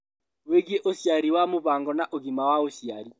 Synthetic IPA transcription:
weɣieʔoʃjaɾiwamoβaːŋɡɔnaʔoɣimawaoʃjaɾi

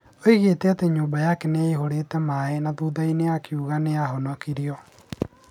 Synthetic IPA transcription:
oiɣeːtɛateɲoːbajakɛneiɦoɾeːtɛmaenaðuːðaineakiuɣaneaɦɔnɔkiɾiɔ

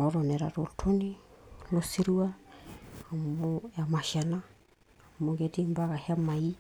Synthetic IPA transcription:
oɾoneɾaɾoltʰonilosiɾua | amoemasiana | moɡedimbaɡaheamai

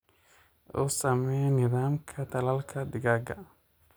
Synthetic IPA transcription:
ʔɔ̰ːsɐmɛjnɪðaːmkʰɐt̪ʰɐlɐlkʰɐd̪ɪɣaːɡɐ̰

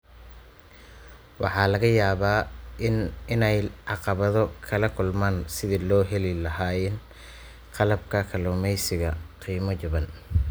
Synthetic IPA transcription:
wɑ̰ħɑːlɐɣɐjaːβaː | ɪnɛjʕɑqɑβɐðɔkʰɐlɐkʰʊlmaːnsɪðilɔːɦɛlɪlɐɦaːɪn | qʰɑlɐbkʰɐkʰɐlɔːmɛjsɪɣɐqiːmɔt͡ʃɐβɐn

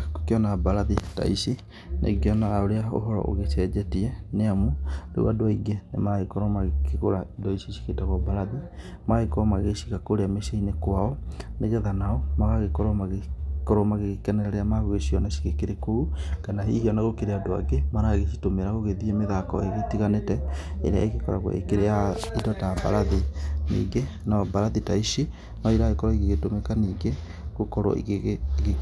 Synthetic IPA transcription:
ko̥keɔnabaɾaðita̰isi | nʔḛɡiɔnaɣaoɾeao̰ɦɔɾɔ̰ʔo̰ɣet͡ʃɛd͡ʒɛtiɛneamuɾḛṵadoaiɡenḛmaaɣekɔɾɔmaɣkeɣoɾaidɔisiʃi̥ketaɣwabalaði | maɣekɔɾɔmaɣeɣeʃi̥kakoɾeameʃeinekwaɔneɣɛðanaɔmaɣaɣekɔɾɔmaɣekɔɾɔmaɣeɣkɛnɛɾɛɾɛamaɣoɣeʃiɔnaʃi̥ɣekeɾekoukanaɦḭhiɔnaɣokeɾeadoa̰ɡemaɾaɣeʃitomeɾaɣoɣeðiemeðakɔ̰eɣetiɣanetɛḛɾea̰eɣekɔɾa̰ɣw̰ḛkeɾeaidɔtaba̰ɾaðinḭːɡe | nabaɾaðitaiʃi | naiɾaɣekɔɾɔiɣeɣetomɛkaniːɡe | ɣokɔɾɔ̰ɣ

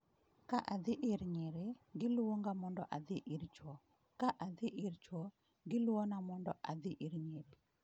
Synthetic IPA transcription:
kaʔad̪ɪʔɪɾɲeɾeɡɪlwoŋɡamɔndɔʔad̪ɪʔɪɾt͡ʃwɔ | kaʔad̪ɪʔɪɾt͡ʃwɔ | ɡɪlwonamɔndɔʔad̪ɪʔɪɾɲepi̥

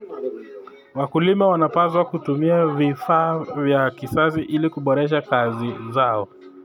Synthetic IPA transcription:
wakulimawanapazwakutumiavifaːvjakisasiʔilikuɓɔɾɛʃ̬akazizaɔ

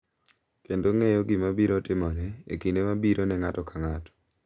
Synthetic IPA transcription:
kendoŋɛjɔɡimabiɾɔtɪmɔnɛḛkinemabiɾʔonɛŋatɔkaŋatɔ̥

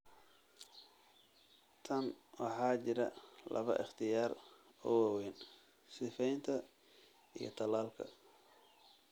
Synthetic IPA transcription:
t̪ʰɐnwɑħɑːt͡ʃɪɾɐ̰lɐ̰βɐ̰ʔɪχt̪ʰɪjaːr | ɔ̰waːwɛjn | sɪfɛjnt̪ʰɐ | ijɞ̰t̪ʰɐlaːlkʰɐ̰

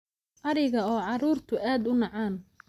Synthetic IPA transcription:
ʔɐɾɪɣɐɔːʕɑɾuːrt̪ʰʊʔaːd̪ʊnɑʕaːn

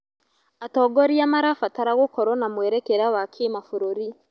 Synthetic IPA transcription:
atɔːɡɔɾiamaɾafataɾaɣokɔɾɔnamwɛɾɛkɛɾawakʰemafoɾoɾi

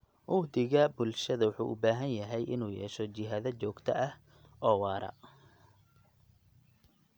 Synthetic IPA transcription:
ʔʊːd̪ɪɣɐbʊlʃɐðɐwʊħṵːʔʊ̰baːɦɐnjɐɦɛjʔɪnuːjɛ̰ːʃɔt͡ʃɪɦaðɐt͡ʃɔːɡt̪ʰɐʔɐh | ʔɔːwɑːɾɐ̰

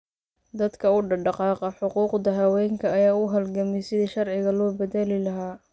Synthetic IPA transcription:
d̪ɐd̪kʰɐʊɖɑɖɑqɑːqɐħʊquːqd̪ɐɦɐwɛːŋkʰɐɐjaːʊɦɐlɡɐmɛsɪðiːʃɐrʕɪɣɐlɔːbɛðɛlɪlɐɦaː

